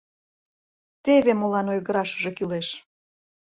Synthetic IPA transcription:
t̪eβemolɑnojɣəɾɑʃəʒekyleʃ

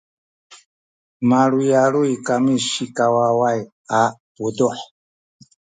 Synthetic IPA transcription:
maɺujaɺuikamiʃikawawaj | apud̪uħ

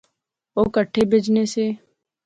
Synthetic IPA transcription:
oːkəʈʰːeːbʱeːd͡ʒneːseː

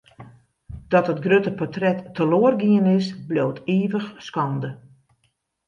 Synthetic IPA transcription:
d̥ɔtɦətɡrøtəpɔtrɛtːəloərɡiənɪsbloːteːvəxskɑndə

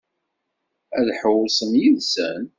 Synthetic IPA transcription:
æðħəwsˤəmjiðsæn

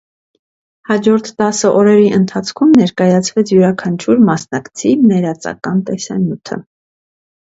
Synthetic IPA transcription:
hɑd͡ʒɔɾt̪ʰt̪ɑsəʔɔɾɛɾiʔənt̪ʰɑt͡sʰkʰumnɛɾkɑjɑt͡sʰvɛt͡sʰjuɾɑkʰɑnt͡ʃʰuɾmɑsnɑkt͡sʰinɛɾɑt͡sɑ̰kɑnt̪ɛsɑ̰njut̪ʰə̰

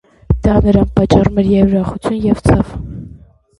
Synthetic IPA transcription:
d̪̥ɑnəɾɑnpɑt͡ʃːɑrumɛɾjɛvɾɑχut͡sʰjunjɛvt͡sʰɑv

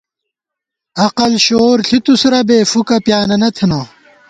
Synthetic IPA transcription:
ɐqɐlɕoːɾɬʰit̪usɾɐbeːfukɐpjaːnɐnɐt̪ʰinoː

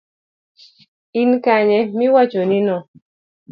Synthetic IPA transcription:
inkaɲɛmɪwat͡ʃoninɔ

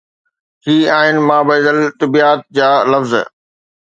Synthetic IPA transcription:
ɦiːaːɦɪnɪ̆mãːbɐːd̪əlt̪ɐbiːaːt̪̚d͡ʑaːlɐfz

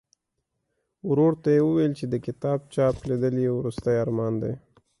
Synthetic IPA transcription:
wɾoɽt̪ajewəwelt͡ʃed̪əkɪt̪ɑb̚t͡ʃɑpled̪əljewɾust̪əjaɾmɑnd̪ḛj

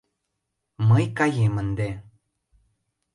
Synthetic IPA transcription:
məjkajemənd̪e

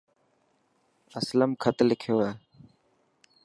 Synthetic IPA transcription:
əsləmkʰət̪lɪkʰjoːeː

